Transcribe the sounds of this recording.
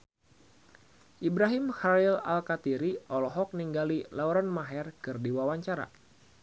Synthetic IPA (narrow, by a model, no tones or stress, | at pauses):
ʔibɾaɦɪmhaila̰lkat̪iɾiʔɔlɔɦɔk̚niŋɡalilauɾanmaɦɛrkɨrdiwawaɲt͡ʃaɾa̰